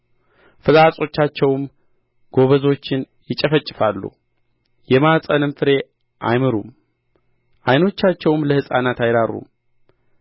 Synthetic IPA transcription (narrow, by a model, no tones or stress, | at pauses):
fɨlasʼo̞t͡ʃːat͡ʃːɛwm | ɡ̥o̞βəzo̞t͡ʃːɪn | jɪt͡ʃʼəfət͡ʃʼːɪfalːṵ | jɛmasʼənɨmfɨɾe̞ | ʔa̰jmɨɾṵm | ʔajno̞t͡ʃːat͡ʃːɛwmləhɨsʼanat̪ajd̪arṵm